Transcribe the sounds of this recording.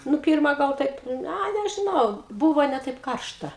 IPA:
ˈnʊ ˈpʲiːrmɐ ɡɐlˠ ˈtɐɪp ˈɐ nʲɛʒʲɪˈnɐʊ ˈbuːʋoː nʲɛ ˈtɐɪp ˈkɐrʃtɐ

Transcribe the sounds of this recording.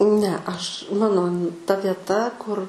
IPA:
nʲɛ ɐʃ ˈmɑːnoː tɐ ʋʲiɛˈtɐ kʊr

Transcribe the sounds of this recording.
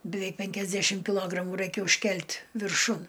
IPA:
bʲɪˈʋʲɛɪk ˈpʲɛŋʲkʲɛzʲdʲɛʃʲɪm kʲɪˈlˠoːɡrɐmʊ ˈrɐɪkʲɛ ʊʃʲˈkʲɛlʲtʲ ʋʲɪrˈʃʊn

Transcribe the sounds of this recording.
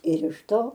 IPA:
ɪr ɪʃ ˈtoː

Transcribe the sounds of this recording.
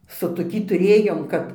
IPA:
sʊ toːˈkʲiː tʊˈrʲeːjoːm ˈkɐp

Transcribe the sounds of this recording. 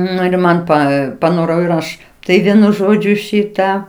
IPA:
ˈnʊ ɪr ˈmɐn ˈpɐ pɐˈnoːrɐʊ ɪr ˈɐʃ ˈtɐɪ ˈʋʲiɛnʊ ˈʒoːd͡ʒʲʊ ˈʃʲɪtɑː

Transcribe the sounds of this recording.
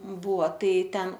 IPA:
ˈbuːʋoː ˈtɐɪ ˈtʲɛn

